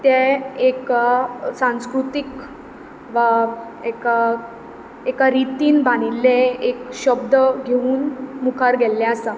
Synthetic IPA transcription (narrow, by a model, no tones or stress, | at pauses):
t̪jeekasãñskɾut̪ik | ʋa | eka | ekaɾit̪iːnbaɽ̃ilːẽekɕəb̚d̪əɡʱeuːnmukʰaɾɡʱɛlːɛasa